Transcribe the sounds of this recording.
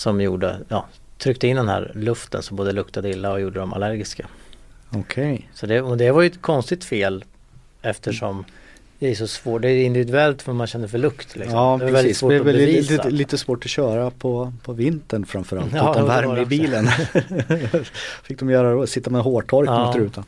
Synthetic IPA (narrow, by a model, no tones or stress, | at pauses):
sɔmjṵːɖə̰jɑ̰ː | t̪ʰɾʏk̚t̪əɪnd̪ɛnhæ̰ɾlɵft̪ə̰nsɔmboːd̪əlɵkt̪ʰad̪əɪlːaɔjuːɖəd̪ɔma̰læɾɡɪskaɔkʰɛjsɔd̪ɛɔd̪ɛvaɾjʏɛt̪kʰɔnst̪ɪɡt̪feːl | ɛft̪əʂɔm | d̪̥ɛæsɔsvoːʈɖd̪ɛæjɪnd̪ɪvɪd̪ɵɛlt̪vamanɕɛnd̪əfœɭɵkt̪lɪksɔɑːɛvavɛlɪsvoːɛɔvɛɛvisliːt̪əsvoːʈɔɕœːɾapʰɔpʰɔvɪnt̪əɳfɾamfœːɾa̰lt̪ːmvæɾmɪbiːlən | fɪk̚d̪ɔmjœːɾadsɪt̪ːamɛɦoːʈʰɔɾkːsəɾʉːt̪ʰa